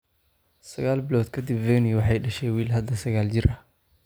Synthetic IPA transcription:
sɐɣaːlbɪlɔːd̪kʰɐd̪ɪbvɛnɪwɑħɑjɖɐʃɛːwiːlɦɐd̪ːɐsɐɣaːlt͡ʃɪɾʔɐ

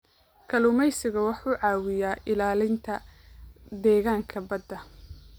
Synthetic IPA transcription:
kʰɐlʊmɛjsɪɣɐwɑħuːʕɑːwɪjaːʔɪlaːlɪnt̪ʰɐ | d̪ɛːɣaːŋkʰɐbɐd̪ːɐ

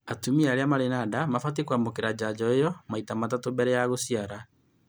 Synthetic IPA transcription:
atumiaɾeamaɾenadamafat̬ekwamokeɾad͡ʑad͡ʑɔejɔmaitamatatobɛɾɛjaɣosiaɾa

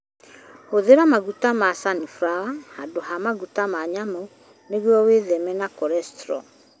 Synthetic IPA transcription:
hoðeɾamaɣutamasanifɾahadohamaɣutamaɲamo | neɣwɔweðɛmɛnakɔɾɛstɾɔ̰

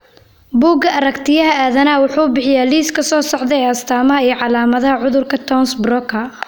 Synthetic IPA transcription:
buːɡɐʔɐɾɐkt̪ʰɪjɐɦɐaːðɐnaːwʊħuːbɪħɪjaːliːskʰɐsɔːsɔʕd̪ɛɛːɐst̪ʰaːmɐɦɐiːʕɑlaːmɐðɐɦɐʕʊðʊrkʰɐt̪ʰɔnsbrɔkʰɐ

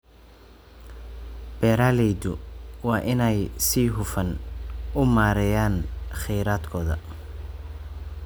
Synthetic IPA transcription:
b̥ɛːɾaːlɛjd̪ʊwɑːʔɪnɛjsiːɦʊfɐnʊmaːɾɛjaːnχɛjɾaːd̪kʰɔːðɐ̰

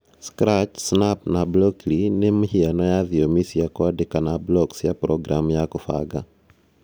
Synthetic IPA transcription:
skɾat͡ʃsnapnabloklinemihianɔjaðiomisiakwadekanablɔksjapɾɔɡɾamujakufa̰ɡa

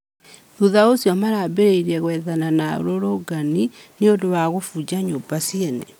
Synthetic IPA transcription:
ðuðaosjɔmaɾaːbeɾeiɾɛɣwɛðananao̰ɾoɾoɡanineondowaɣofud͡ʑaɲobasienɛ̰

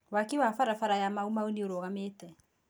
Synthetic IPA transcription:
wakiwafaɾafaɾajamaumaonioɾoɣameːtɛ

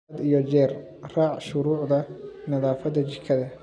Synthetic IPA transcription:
d̪ijɔt͡ʃɛːr | raːʕʃʊɾuːʕd̪ɐnɐðaːfɐdɐt͡ʃɪkʰɐðɐ

